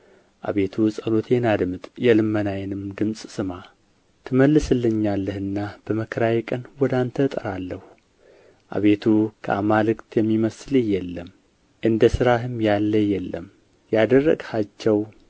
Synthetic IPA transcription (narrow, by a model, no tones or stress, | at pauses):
ʔa̰βe̞t̪ʰusʼəlo̞t̪ʰenad̪mɨt̪ʼjɛlɨmːənajɛnɨmd̪ɨmsʼsɨma | t̪ʰɨməlːɨsɨlːɨɲːalːəhɨnːab̥əməkʰəɾaɛkʼənwɔd̪ant̪ʰət̪ʼəɾalːəhu | ʔa̰βe̞t̪ʰukʰə̰amalɨkt̪ʰjɛmːiməsɨlɨjɛlːəm | ʔɨnd̪əsɨɾahɨmjalːəjɛlːə̰m | jad̪ərːə̰ɡhat͡ʃːɛw